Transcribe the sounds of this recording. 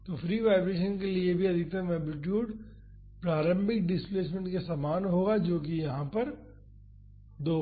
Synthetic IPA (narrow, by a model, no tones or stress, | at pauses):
t̪oːfɾiːʋaːɪbɾeːʃənkeliebʱiɐd̪ʱɪk̚t̪ɐmɛːblɪʈ̬juːɖ | pɾaːɾə̃mbʱɪk̚ɖɪspleːs̬mẽɳʈkesaːmaːnɦoːɡad͡ʒoːkijɐɦãpɐɾ | d̪oː